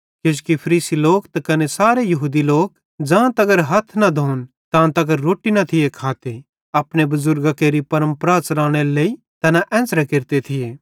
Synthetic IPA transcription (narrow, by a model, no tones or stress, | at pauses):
kɪd͡ʒkipʰɐɾiːsiloːkt̪ɐkɐnesaːɾejɐɦuːd̪iloːk | d͡ʒãːt̪ɐɡəɾɦɐt̪ʰnɐd̪ʱoːn | t̪ãːt̪ɐɡəɾoːʈinɐt̪ʰɪjekʰaːt̪e | ɐpɽ̃ebɐzʊɾɡakeːɾipɐɾə̃mpɾaːt͡ʃɾaːɽ̃elei | t̪ɐnaʔɛ̃ːnsɾekɪɾt̪et̪ʰɪjeː